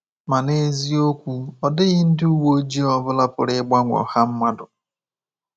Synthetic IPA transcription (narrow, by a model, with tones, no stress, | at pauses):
ma˨ne˦zi˦o˦kʷu˦ɔ˨dɪ˦ɣɪ˦n̩˦dɪ˦u˦wo˦d͡ʒi˦ɔ˦bʊ˦la˦pʊ̰˨ɾɪ˦ɡ͡ba˦ŋʷɔ̰˨ha˦m̩˦ma˦dʊ˨